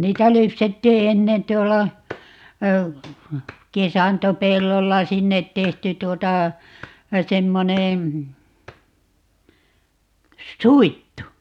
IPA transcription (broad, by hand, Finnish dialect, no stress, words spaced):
niːtæ lypsetːiː enːen tˑuolɑ kesɑntopelːolːɑ sinːet tehty tuotɑ semːoneː suitːu